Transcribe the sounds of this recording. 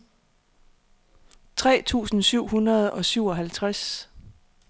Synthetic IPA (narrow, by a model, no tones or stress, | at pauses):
t͡sʰʁɛ̰ːt͡sʰṵːsn̩syʊ̰hunɐð̞ˠɒ̽syʊ̰ɒ̽ɦælt͡sʰʁas